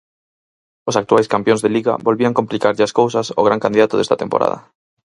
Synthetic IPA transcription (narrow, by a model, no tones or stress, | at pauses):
osakt̪uajskampjõnzðeliɣa̰bolβiaŋkomplikaɾʎɪaskowsaso̰ɣɾaŋkand̪iðat̪oðɛst̪at̪empo̰ɾʔa̰ð̞ɐ̰